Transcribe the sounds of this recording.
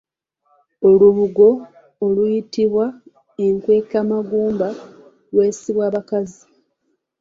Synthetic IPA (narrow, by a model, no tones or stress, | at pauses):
oluβuɡo̞ː | lujitiβwa | e̞ŋkwe̞ːkamaɡuːmba | lwe̞ːsiβwaːβakazi